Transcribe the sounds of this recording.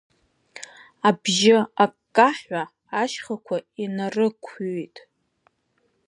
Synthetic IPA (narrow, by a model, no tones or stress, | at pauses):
abʒɪakkʼːaħʷaː | ʃχakʷʰainarɨkʷʰːtʼ